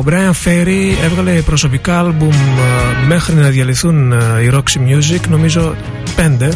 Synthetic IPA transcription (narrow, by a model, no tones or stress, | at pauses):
bɾɐjɐɱfeɾievɣɐle̞pɾo̞so̞pikɐɐlbumː | e̞xɾinɐðjɐliθuniɾoksimjuzikno̞mizo̞ | pe̞nd̪e̞